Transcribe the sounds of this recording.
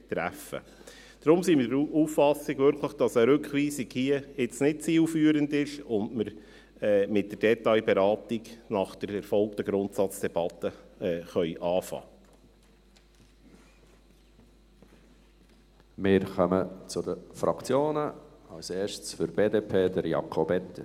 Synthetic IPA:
t̪ɾæ̰fə̰ | d̥ɾʊmsiːmɪɾuːfːɑsiɡʋʏɾkʰləχd̥ɑsəɾʉkχʋiːsiɡhiəɪt͡snɪt̚t͡siːlfyːəɾəndɪʃʊntməɾ | ɛːmɪt̚d̥ərd̥ɛt̪ɑɪbɛɾɑːtiɡnɑχd̥əɾɛɾfɔlk̚t̪əɡɾʊnt̪sɑt͡sd̥ɛb̥ɑt̪ːəɛːχœʏʔɑːfɑ̰ː | mɪːɾχœmət͡sʊdəfɾɑkt͡sjoːnəɑlseːɾʃtsfʏɾb̥eːdeːpʰeːdəɾjɑ̰kʰobɛt̪ːə

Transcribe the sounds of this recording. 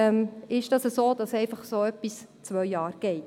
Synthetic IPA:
ɛmɪʃd̥ɑsəsoːd̥ɑsɛɪfɑχsoːœpːist͡sʋœɥjɑːɾɡ̥ɛɪt

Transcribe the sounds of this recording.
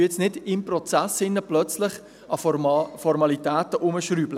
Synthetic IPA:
ɛt͡snɪdɪmprɔt͡sæsɪnːəplœt͡slɪχ | ɑfɔɾmɑlitæːtəʔʊməʃryːblə

